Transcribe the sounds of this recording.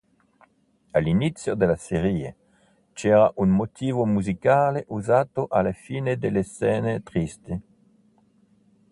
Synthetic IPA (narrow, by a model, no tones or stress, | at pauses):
alinit̪sjod̪elaseʁiːe | t͡ʃɛːɾaʔunmot̪iːvomuzikaːleʔuzaːt̪oʔalafiːned̪elesɛːnet̪ɾist̪i